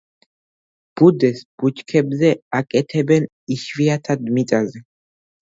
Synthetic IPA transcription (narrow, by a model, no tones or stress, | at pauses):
b̥ud̪ɛsb̥ut͡ʃkʰɛbzɛakʼɛt̪ʰɛbɛn | iʃviat̪ʰad̪mit̪ʼazɛ